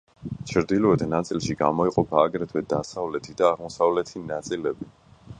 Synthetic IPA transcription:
t͡ʃʰɾd̪ilɔɛd̪nat̪sʼilʃiɡamɔiqʼɔpʰaːɡɾɛt̪ʰwɛd̪asavlɛt̪ʰid̪aːʁmɔsavlɛt̪ʰinat̪sʼilɛbi

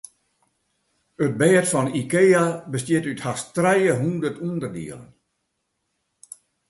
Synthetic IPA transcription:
ət̚bɛːtfɔnikeːabəstjɪtythastrɛjəɦundərtundərdḭələ̰n

